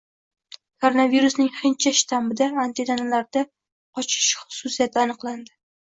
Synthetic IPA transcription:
kʰoɾonaviɾusnɪŋχɪnt͡ʃʰaʃɪ̥t̪ʰambɪd̪aːnt̪ʰid̪analaɾd̪a | qʰɒt͡ʃʰɪ̥ʃχʊ̥susijat̪ʰɪanɨqlˠand̪ɪ

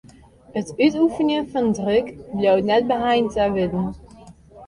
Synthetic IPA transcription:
ətytufənjəfɔndrøkbljowtnɛt̚bəɦajntəʋɪdn̩

